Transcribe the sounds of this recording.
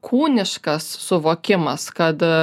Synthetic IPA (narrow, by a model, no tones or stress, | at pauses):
kʰuːnʲɪʃkɐssɔʋɔkʲɪmɐskɐd̪